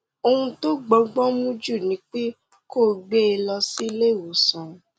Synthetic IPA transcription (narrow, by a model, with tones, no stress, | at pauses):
o˧hũ˧to˦ɡ͡bɔ˨˧˦ɡ͡bɔ˦mũ˦d͡ʒu˦˨nĩ˨˦k͡pe˦ | ko˦˨ɡ͡be˦e˧lɔ˧si˦le˦˨wo˨˦sɔ̃˨˦